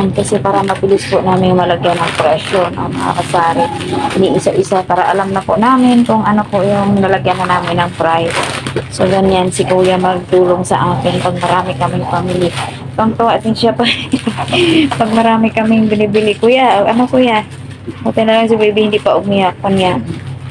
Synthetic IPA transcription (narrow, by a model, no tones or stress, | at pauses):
nkɐsɛpaːɾamɐbɪlɪspʊʔnaːmɪnjʊŋmɐlaɡjanːɐŋpɾɛʃonʔɐ̰ŋmɐ̰ŋa̰masaːɾɪniʔɪsaʔɪsapaːɾaʔalamnɐpʊʔnaːmɪnkʊŋʔɐnopʊʔjʊŋnɐlaɡjananaːmɪnɐŋpɾajdsoɡaɲansɪɡuːjamɐɡ̚t̪uːloŋsɐ̰ʔaːkɪnpɐɡ̚mɐɾaːmɪkɐmɪŋpamɪlɪ | k̪ʊŋt̪ʊwaʔd̪ɪnʃapa | pɐɡ̚mɐɾaːmɪkɐmɪŋbɪnɪbɪlɪkʊjaʔɐnokʊja | mut̪ɛnɐlaŋs̬ibibɪhɪnd̪iʔpaʔʊmijak̚ːʊnja